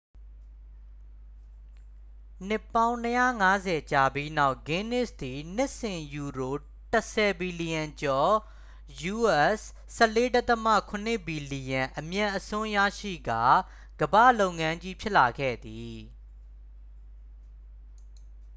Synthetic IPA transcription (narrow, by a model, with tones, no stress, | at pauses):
n̥ɪ˦pːã˦ʊ̃nəjä̰˦˨ŋa˦zɛ˨t͡ɕa˨bji˦na˦ʊʔɡɪ̃˦nɪ˦˨sd̪i˨n̥ɪ˦ʔsɪ̃˨ju˨ɹo˨ | tə˨sɛ˨bi˨li˨jã˨ɲt͡ɕɔ˨ | ju˦˨ɛ˦s | sɛ˦˨le˦da˦t̪əmä̰˦˨kʰʊ̃˨n̥ɪ˦˨bi˨li˨jã˨ʔəmjã˨ʔəsʊ̃˦jä̰˦˨ʃḭ˦˨ɡa˨ | ɡ̥əbä̰˦˨lo˦˨ʊ̃ŋã˦ɲd͡ʑi˦pʰjɪ˦ʔla˨ɡɛ̰˦˨d̪i˨